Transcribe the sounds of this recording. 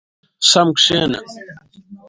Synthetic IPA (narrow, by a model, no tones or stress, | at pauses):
sɐmkʂeːnɐ̰